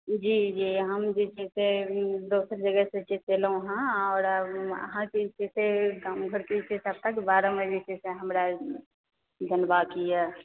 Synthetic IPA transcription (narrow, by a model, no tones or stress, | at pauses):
d͡ʒiːd͡ʒiɦəmd͡ʒet͡ʃɛsed̪oːsəɾd͡ʒəɡəset͡ʃet͡ʃeləuɦãɔːɾə̰ɦãkit͡ʃeseɡãːmɡʱəɾket͡ʃesəb̚t̪əkbaːɾə̃med͡ʒet͡ʃeseɦəmɾa | d̪ʱənbakiɛ